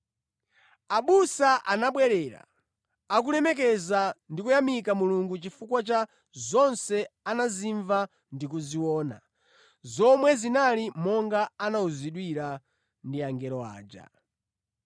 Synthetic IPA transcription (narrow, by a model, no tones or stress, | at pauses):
aɓusaʔanaɓwɛɾɛɾa̰ | ak̬ulɛmɛk̬ɛzandikujamikamuluŋɡut͡ʃifukwat͡ʃa | zɔnsɛanaziɱva | ndikuziwɔːna̰ | zɔmwɛzinalimɔŋɡaːnauziɗwiɾa | ndiaŋɡɛɾɔa̰ːd͡ʒa̰